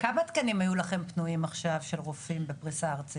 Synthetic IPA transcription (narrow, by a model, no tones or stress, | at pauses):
kamat̪kɐnimajulaχe̞mpnuimaχʃavʃe̞lʁofimbepʁisaːʁt͡si